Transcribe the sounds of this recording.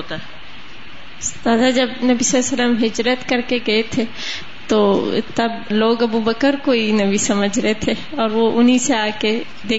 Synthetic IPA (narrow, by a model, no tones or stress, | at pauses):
ot̪aɛ | st̪aːd̪ad͡ʒɐbnɐbisɐsəlːəmɦɪd͡ʒɾət̪kɐɾkeɡɐet̪ʰe | t̪oːt̪ɐbloːɡɐbubəkəɾkoinɐbisɐməd͡ʒʱɾɐɦet̪ʰe | ɔːɾʋoʔʊnɦiseaːke | d̪eː